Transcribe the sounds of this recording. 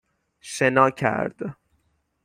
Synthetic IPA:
ʃenɒːcʰæ̰ɾd̪̥

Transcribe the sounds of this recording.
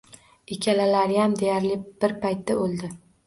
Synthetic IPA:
ekʲʰalalaɾɪjamd̪e̞jaɾlɪb̥ɪɾpʰajt̪ʰːaolˠd̪ɪ

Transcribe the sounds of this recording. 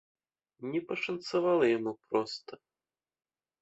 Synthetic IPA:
nʲɛpɐʂɐnt̪savalˠɐjamupɾɔst̪ɐ

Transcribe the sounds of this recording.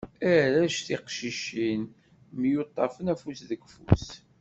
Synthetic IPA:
æɾæʃθiqʃiʃin | mjʊt̪ˤːɑfənæfusðəɡfṵs

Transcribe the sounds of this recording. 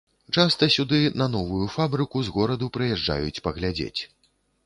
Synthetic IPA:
t͡ʂast̪ɐsʲud̪ɨnɐnɔvujufabɾɨkuzɣɔɾɐd̪upɾɨjɛʐd͡ʐa̰jut͡sʲpɐɣlʲad͡zʲḛt͡sʲ

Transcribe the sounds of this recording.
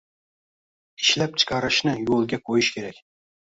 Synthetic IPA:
iʃlæp̚t͡ʃʰɨ̥qʰɑɾɨʃnɪjolˠɡʲɛqʰojɪʃkʲʰeɾɛk̚ʲ

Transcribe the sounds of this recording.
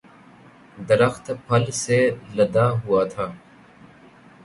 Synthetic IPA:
d̪əɾəxt̪pʰəlseːləd̪aːɦʊaːt̪ʰaː

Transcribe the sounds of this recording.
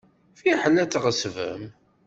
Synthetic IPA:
fiħəlːæt͡sːʁəsvə̰m

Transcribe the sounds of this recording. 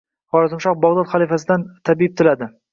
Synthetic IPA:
χɒɾazɪmʃɒq̚bɒʁd̪ɒt̪χalifasɪd̪ant̪ʰabiɪb̚t̪ʰɪlad̪ɪ

